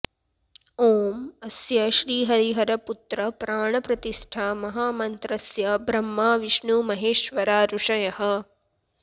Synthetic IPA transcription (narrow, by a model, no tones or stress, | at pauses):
oːmɐsjɐʃɾiːɦɐɾiɦɐɾɐput̪ɾɐpɾaːɳɐpɾɐt̪iʂʈʰaːmɐɦaːmɐnt̪ɾɐsjɐbɾɐmːaːʋiʃɳumɐɦeːʃʋɐɾaːɾuʂɐjɐɦɐ̆